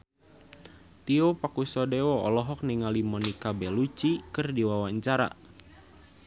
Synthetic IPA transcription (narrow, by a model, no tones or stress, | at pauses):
t̪iopakusɔdɛwɔɔ̰lɔɦɔk̚niŋalimɔnikabɛlut͡ʃikɨrdiwawaɲt͡ʃaɾa̰